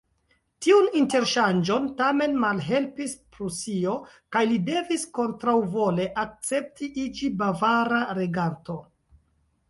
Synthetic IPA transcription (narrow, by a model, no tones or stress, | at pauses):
tiuninte̞ɾʃand͡ʒo̞ntame̞nmalɦe̞lpispɾusio̞ | kajlide̞visko̞ntɾawvo̞le̞ʔak̚t͡se̞p̚tiʔid͡ʒibavaɾaɾe̞ɡanto̞